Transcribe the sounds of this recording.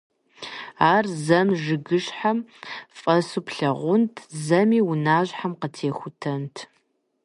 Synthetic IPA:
aːrzɐmʒɨɡɨɕħamfʼɐsupʰɬɐʁʷʊntʰzɐmiːwʊnaːʑħamqətʰeːxʷʊtʰɐntʰ

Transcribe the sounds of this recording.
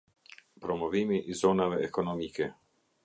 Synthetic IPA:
pɾomoviːmiʔizɔnaveekonomiːke

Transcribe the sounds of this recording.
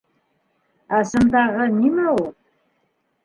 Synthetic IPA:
azɨmd̪aʁənimaw

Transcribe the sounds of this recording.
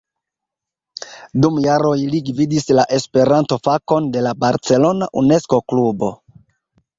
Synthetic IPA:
dumjaɾo̞jliɡvidislaʔe̞spe̞ɾanto̞fako̞nde̞labaɾt͡se̞lo̞naʔune̞sko̞klubo̞̰

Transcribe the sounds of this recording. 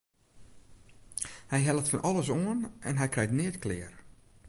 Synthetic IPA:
hɛjɦɛlˠətfɔnʔɔlˠəsoənɛnɦɛjkrɛjtnɪətklɪːər

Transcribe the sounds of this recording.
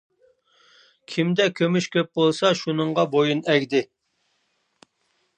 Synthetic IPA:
kʲʰimd̪ɛkʲʰømyʃkʲʰøp̚bolˠsɑʃunəɴʁɑbojunɛɡʲd̪ɪ

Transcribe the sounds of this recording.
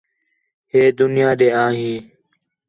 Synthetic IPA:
ɦeːd̪ʊnɪjaːdeːãːɦĩː

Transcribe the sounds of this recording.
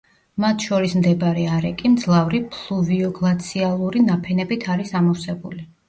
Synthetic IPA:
mat̪ʰʃɔɾismd̪ɛbɾɛaɾɛkʼimd̪zlˠavɾipʰlˠuviɔɡlˠat̪sʰialˠuɾinapʰɛnɛbit̪ʰaɾisamɔfsɛbuli

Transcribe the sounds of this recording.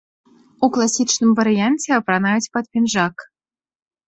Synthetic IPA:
uklˠasʲit͡ʃnɨmvaɾɨjanʲtʲeapɾanajut͡sʲpat̪̚pʲinʒɑk

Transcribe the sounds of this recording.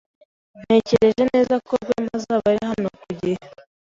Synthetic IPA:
n̥e̞ːceɾe̞ʒe̞ne̞ːzakoɡwḛmazaβaɾiɦanokuɟihe

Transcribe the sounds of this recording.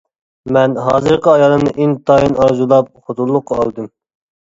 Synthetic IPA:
mɛnɦɑːzɨɾqəɑjɑlˠɨmnɨʔint̪ʰɑjinɑɾzulˠɑp̚χʊt̪ʰulˠːʊqʰːɑɑlˠd̪ɨm

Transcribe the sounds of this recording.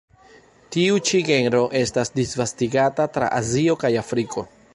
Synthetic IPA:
tiut͡ʃiɡe̞nɾo̞ʔe̞stasdisvastiɡatatɾa̰ʔazio̞kajafɾikʰo̞

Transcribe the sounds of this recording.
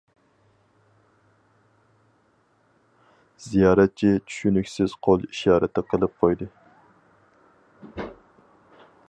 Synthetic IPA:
z̥ijɑːɾɛt̪̚t͡ʃʰit͡ʃʰy̥ʃynykʲsɪz̥qʰolˠiʃɑːɾɛt̪ʰːɨqʰəlˠɨp̚qʰojd̪ɨ

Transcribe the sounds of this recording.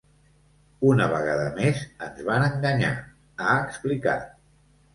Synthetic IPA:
unəβəɣ̞aðəmezənzβanəŋɡəɲa̰ | aəksplika̰

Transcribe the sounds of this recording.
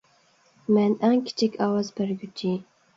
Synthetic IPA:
mɛnæŋkʲʰi̥t͡ʃʰɪkʲʰɑwɑzbæɾɡʲyt͡ʃʰi

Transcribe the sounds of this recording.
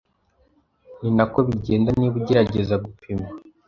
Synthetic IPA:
ninakoβiɟe̞ːndaniβuɟeɾaɟe̞zaɡupʰema

